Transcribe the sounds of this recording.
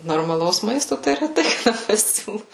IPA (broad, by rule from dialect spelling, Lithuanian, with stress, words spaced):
noːrmɐˈlˠɐʊs ˈmɐɪstoː tɐɪ rʲɛˈtɐɪ kɐˈdɐ pɐˈsʲuːlˠʊ